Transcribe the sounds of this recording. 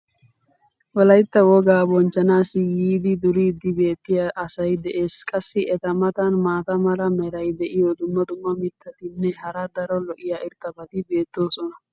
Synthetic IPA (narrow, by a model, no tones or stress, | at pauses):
wɔlɐjt̪ːɐwɔɡaːbɔnt͡ʃːɐnaːsɪjiːd̪ɪd̪ʊɾid̪ɪbe̞ːt̪ːɪjaʔɐsɐjd̪ɛʔeːskʼɐsːɪɛt̪ɐmɐt̪ɐnmaːt̪ɐmɐɾɐmɛɾɐjd̪ɛʔɪjɔd̪ʊmːɐd̪ʊmːɐmɪt̪ʰːɐt̪ɪnːɛhɐɾɐd̪ɐɾɔlɔʔɪjaːʔɪɾt̪ːɐbɐt̪ɪbe̞ːt̪ːo̞ːsɔnɐ